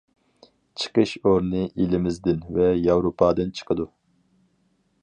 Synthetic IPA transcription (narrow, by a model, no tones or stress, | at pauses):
t͡ʃʰə̥qʰəʃoɾnɨʔilɪmɪzd̪ɪnvɛjɑwɾopʰɑːd̪ɨnt͡ʃʰə̥qʰəd̪u